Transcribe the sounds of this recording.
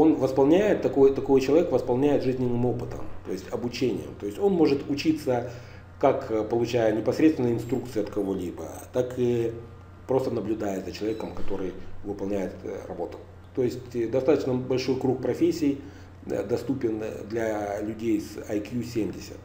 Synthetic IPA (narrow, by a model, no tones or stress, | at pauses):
o̞nvəspɐlˠnʲæjɪt̪ːɐkojt̪ɐko̞jt͡ɕɪlˠɐvʲekvəspɐlˠnʲæjɪt̪ʐɨzʲnʲɪnːɨmo̞pɨt̪ə̰mt̪o̞̰ɪsʲtʲɐbʊt͡ɕenʲɪ̰jə̰mt̪o̞ɪsʲtʲo̞nmo̞ʐɨt̪ʊt͡ɕit̪sə | kakpəlˠʊt͡ɕæjənʲɪpɐsɾʲet̪st̪vɪnəɪnst̪ɾuk̚t̪sɨjɐt̪kɐvo̞lʲibə̰t̪akɨ | pɾo̞st̪ənəblʲʊd̪ajəzət͡ɕɪlˠɐvʲekəmkɐt̪o̞ɾɨjvɨpɐlˠnʲæjɪt̪rɐ̰bo̞t̪ʊ̥ | t̪o̞jɪsʲtʲd̪ɐst̪at̪ət͡ɕnəbɐlʲʂo̞jkɾuk̚pɾɐfʲesʲːɪj | d̪ɐst̪upʲɪnd̪lʲɐlʲʉdʲejsɐjkjusʲemʲdʲɪsʲə̰t̪